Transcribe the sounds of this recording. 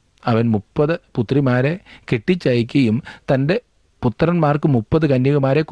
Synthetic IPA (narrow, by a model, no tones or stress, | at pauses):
ɐʋɐnmupːɐðɨput̪ːrimaːɾe̞keʈːit͡ɕːɐjik̬ʲːɐjumt̪ɐnde̞ | put̪ːɐrɐnmaːrkɨmupːɐðɨkɐnːjɐɣɐmaːɾe̞k